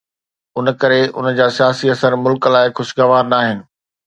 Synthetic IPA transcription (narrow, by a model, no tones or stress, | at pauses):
ʊnəkɐɾeʔʊ̰nə̆d͡ʑaːsijaːsiɐsəɾmʊlklaːɪxʊʃɡɐʋaːɾnaːɦɪnɪ̆